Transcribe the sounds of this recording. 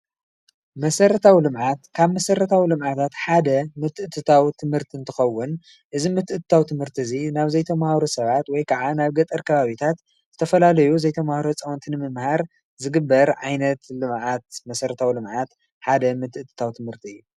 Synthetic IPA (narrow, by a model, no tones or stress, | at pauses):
mɐsɐɾɐt̪ʰawlɨmʕat̪kʰaβmɐsɐɾɐt̪ʰawilɨmʕat̪ʰat̪ħad̪ɐmɨt̪ːɨʔt̪ʰːɨt̪ʰawt̪ʰɨmhɨɾt̪ʰiɨnt̪ʰɨxɐwːʊn | ʔɨzimɨt̪ɨʔɨt̪ɨ̥t̪ʰawt̪ʰɨmhɨɾt̪ʰizinaβzɐjt̪ʰɐmahɾosɐβat̪wɔjkʰaʕanaβɡɐt̪ʼɨɾkʰɐβaβit̪ʰat̪ | zɨt̪ʰɐfɐlalɐjuzɐjt̪ʰɐmahɾot͡sʼɐwɔnt̪ʰinɨmɨmhaɾ | zɨɡɨbːɐɾʕajnɐt̪lɨmʕat̪̚mɐsɐɾɐt̪ʰawilɨmʕat̪ | ħad̪ɐmɨt̪ʰɨʔt̪ʰːɨ̥t̪ʰawt̪ʰɨmhɨɾt̪ʰiɨjːu